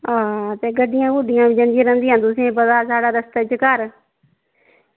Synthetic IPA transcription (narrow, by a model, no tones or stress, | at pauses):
aːt̪eːɡəɖːɪjãːɡʊɖɪjãːʋĩd͡ʒə̃nd̪ĩːɾə̃nd̪iːãːt̪ʊsĩpəd̪aːsaːɽaːɾəst̪ːt͡ʃəkəɾ